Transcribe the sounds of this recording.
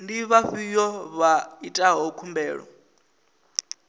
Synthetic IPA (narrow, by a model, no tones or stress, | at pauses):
ndiβaɸijɔβaitʼaɦɔkʰumbɛːɺɔ̰